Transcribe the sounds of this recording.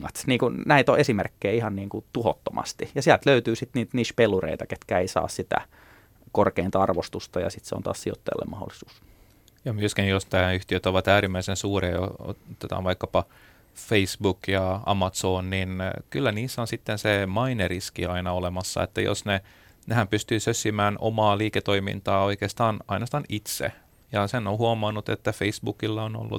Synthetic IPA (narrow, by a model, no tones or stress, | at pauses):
ɑt̪niːŋkunnæit̪oʔesimerkːeːihɑnniːŋkut̪uhot̪ːomʔɑ̰st̪ijɑsiælt̪løyt̪yːsit̪niːt̪niːʃpelːurḛit̪ɑket̪kæːeisɑ̰ːssit̪æ̰ | korkeint̪ɑɑrʋost̪ust̪ɑjɑ̰sit̪sḛo̰nt̪ɑ̰ːssio̰t̪ːɑjɑ̰lːḛmɑho̰lːisu̥ːs | jɑmyøskinjost̪æyht̪iøt̪oʋɑt̪æːɾimːæisensuːreːo̰o̰t̪ːet̪ɑ̰ːnʋɑikːɑpɑ | feisbukjɑɑ̰mɑt̪soːnninkylːæniːsːonsit̪ːensemɑineriskḭɑinɑolemɑsːɑ̰ḛt̪ːæjo̰sne | nehæmpyst̪yːsøsːimæːnʔo̰mɑːliːket̪oimḭnt̪ɑːoikeːst̪ɑːnɑinɑst̪ɑnit̪sḛ | jɑsenːohuomɑnːut̪et̪ːæfeisbukilːɑono̰lːṵ